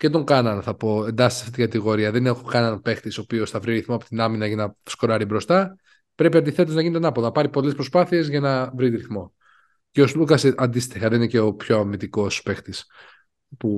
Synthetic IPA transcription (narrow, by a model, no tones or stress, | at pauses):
ce̞t̪o̞ŋɡɐnɐnθɐpo̞e̞nd̪ɐsi̥sɐset̪iɡɐt̪iɣo̞ɾiɐðe̞ne̞xo̞kɐniɐnpe̞xt̪isopio̞sθɐvɾiɾiθmoɐpot̪inɐminɐʝɐnɐsko̞ɾɐɾibɾo̞st̪ɐ | pɾe̞piɐnd̪iθe̞t̪oznɐʝinet̪enɐponɐpɐɾipo̞le̞spɾo̞spɐθie̞zʝɐnɐvɾiɾiθmo̞ | ceoslukɐsʔɐnd̪ist̪ixɐðe̞ninece̞opço̞ɐmit̪iko̞spe̞xt̪is | pu